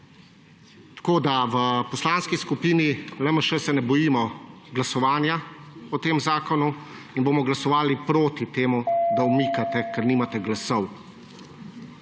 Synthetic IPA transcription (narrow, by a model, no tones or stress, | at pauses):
t̪ḁkoːd̪aʋəpɔslaːnskiskupiːnilɛməʃɛsɛnɛbɔjiːmɔɡlasɔʋaːnjaɔt̪eːmzaːkɔnu | inboːmɔɡlasɔʋaːlipɾoːt̪it̪eːmud̪aumiːkat̪ɛkɛɾniːmat̪ɛɡlasɔw